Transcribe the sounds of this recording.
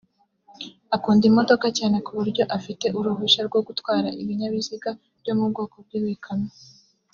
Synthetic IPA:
akuːndimo̞do̞kacaːne̞kuβuɾɟo̞ʔafite̞ʔuɾuβiʃaɾɡwo̞ɡutwaːɾaʔiβiɲaβiziɡa | b̥ɟo̞mub̚ɡo̞ːko̞b̚ɡiːwiːkʰano

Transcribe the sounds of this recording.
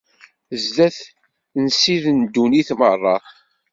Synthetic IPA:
zðæθ | nsiðənd̪ːuniθmərˤːɑ

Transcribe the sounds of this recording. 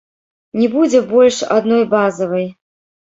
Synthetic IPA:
nʲibud͡zʲɛbɔlʲʂa̰d̪nɔjbazɐvɐj

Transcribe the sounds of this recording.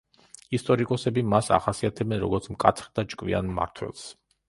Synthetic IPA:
ist̪ʼɔɾikʼɔsɛbimasa̰χasiat̪ʰɛbɛnɾɔɡɔɾt̪sʰmkʼat̪sʰɾd̪at͡ʃkʼvḭa̰nma̰ɾt̪ʰwɛ̰lˠs

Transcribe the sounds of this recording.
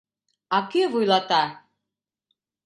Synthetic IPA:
ɑkevojlˠɑt̪ɑ

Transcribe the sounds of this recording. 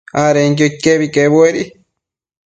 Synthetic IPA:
aɾeŋk̬ʲot̪̚keβikeβweɾi

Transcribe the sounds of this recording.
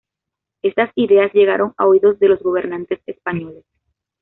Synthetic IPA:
e̞st̪asiðe̞azʝe̞ɣaɾo̞ŋa̰oiðo̞zðe̞lo̞zɣo̞β̞e̞ɾnãnt̪e̞sespaɲo̞le̞s

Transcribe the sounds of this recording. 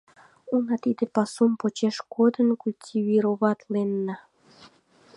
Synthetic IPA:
unɑt̪id̪epɑsumpot͡ɕeʃkod̪ənkult̪ʲiβiɾoβɑt̪lenːɑ

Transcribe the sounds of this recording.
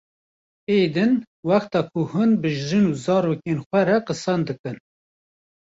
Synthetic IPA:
eːd̪ɨn | wɑxt̪ɑːkʰuhunbɨʒʒɨnuːzɑːɾoːkenxʷɛɾɛqəsɑnd̪ɨkɨn

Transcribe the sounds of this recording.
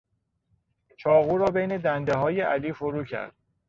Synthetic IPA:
t͡ʃʰɒːɣuːɾɒːbejne̞d̪ænd̪eɦɒːjeʔæliːfoɾuːcʰæ̰ɾd̪̥

